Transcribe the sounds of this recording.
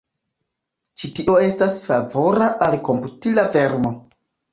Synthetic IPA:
t͡ʃitio̞e̞stasfavo̞ɾaʔalko̞mputilave̞ɾmo̞

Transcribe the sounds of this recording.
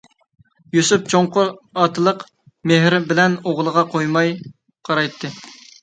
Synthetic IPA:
jusup̚t͡ʃʰoɴqʊɾɑt̪ʰɨlˠəq | meɦɾɪbɪlɛnoʁlˠəʁɑqʰojmɑj | qʰɑɾɑjt̪ʰːɨ

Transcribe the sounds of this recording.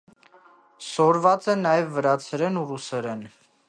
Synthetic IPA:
sɔɾvɑt͡sɛnɑjɛvːəɾɑt͡sʰɛɾɛnurusɛɾɛn

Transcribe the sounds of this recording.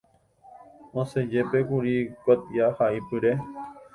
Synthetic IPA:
õsed͡ʒepekuɾikot̪ijahaʔipɨɾe

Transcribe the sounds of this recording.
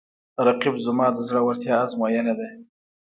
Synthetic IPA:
ɾɑqibzamɑːd̪əzɽəwaɾt̪jɑːzmojaned̪a

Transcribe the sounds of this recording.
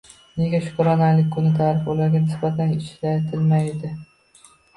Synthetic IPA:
ne̞ɡʲaʃʊ̥kɾɒnaɾlɪkʲkʰʊnɪt̪ʰaɾɪfbolaɾɡʲanɪsbat̪ʰanɪʃlat̪ʰɪlmajd̪ɪ

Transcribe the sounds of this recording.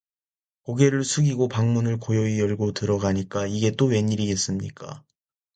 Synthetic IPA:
koɡe̞ɾɯɭsʰuɡiɡopaŋmunɯɭkojoijʌɭɡotɯɾʌɡaɲik͈aiɡe̞t͈owe̞ɲiɾiɡe̞s͈ɯmɲḭk͈a̰

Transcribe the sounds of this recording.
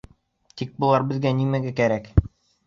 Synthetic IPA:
t̪ik̚bŭlˠɑɾbɘ̆ðɡænimæɡækæɾæk

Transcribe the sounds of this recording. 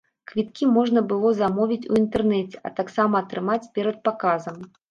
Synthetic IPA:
kvʲit̪̚kʲimɔʐnɐbɨlˠɔzamɔvʲit͡sʲuint̪ɛrnɛt͡sʲɛʔɐ̰t̪aksamɐːt̪ɾɨmat͡sʲpʲɛɾɐt̪̚pakazɐm

